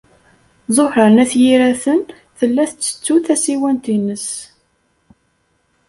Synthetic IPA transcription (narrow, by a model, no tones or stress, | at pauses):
zˤoħɾənæθjiɾæθən | θəlːæθət͡sːə̥t͡sːuθæsiwænt̪inəs